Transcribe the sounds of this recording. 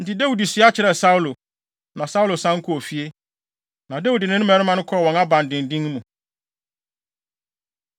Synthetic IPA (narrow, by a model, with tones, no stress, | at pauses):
n̩˨tɪ˨dɛ˦wu˨di˨si˨˦a˦t͡ɕʰɪ˨ɾɛ˨sa˦wu˦lo˨ | nã˨sa˦wu˦lo˨sã˦ŋ˦kʰʊ˦o˨fi˨˦e˦ | nã˨dɛ˦wu˨dɪ˨nɪ̃˦nʊ̃˦mɛ̃˨˦ɾɪ˦mã˨nʊ̃˦kʰɔ˦˨wɔ̃˨na˦bã˨n˨dɪ̃˨n˨dĩ˦ŋ˦mũ˨